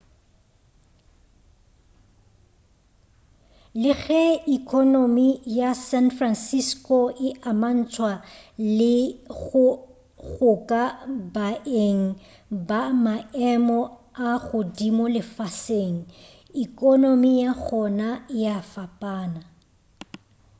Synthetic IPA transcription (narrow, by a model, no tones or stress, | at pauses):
lɪɣɛikʼɔnomijasɛnfransiskʼoɪʔaman̩t͡sʰwalɪɣʊ | ɣʊkʼabaʔeŋ̩ | bamaɛmɔaɣʊdimʊlɪfaseŋ̩ | ikʼonomijaɣʰɔnajafapʼaːna